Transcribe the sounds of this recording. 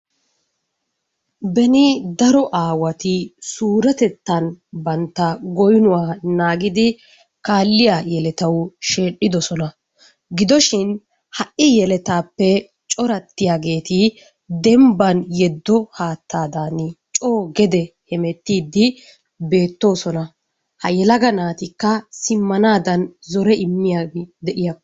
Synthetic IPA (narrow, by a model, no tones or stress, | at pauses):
bɛnɪd̪ɐɾɔʔaːwɐt̪ɪsuːɾɐt̪ɛt̪ːɐnbɐnt̪ːɐɡɔjnʊwaːnaːɡɪd̪ɪ | kaːlːɪjajɛlɛt̪ɐwʃe̞ːɗːɪd̪ɔsɔnɐ | ɡɪd̪ɔʃɪn | hɐʔɪjɛlɛt̪aːpːɛ | t͡ʃʼɔɾɐt̪ːɪjaːɡe̞ːt̪ɪ | d̪ɛmbɐnjɛd̪ːɔhaːt̪ʰːaːd̪aːnɪt͡ʃʼo̞ːɡɛd̪ɛhɛmɛt̪ːiːd̪ːɪ | be̞ːt̪ːo̞ːsɔnɐ | hɐjɛlɐɡɐnaːt̪ɪkːɐsɪmːɐnaːd̪ɐnzɔɾɛɪmːɪjaɡɪd̪ɛʔɪjɐkː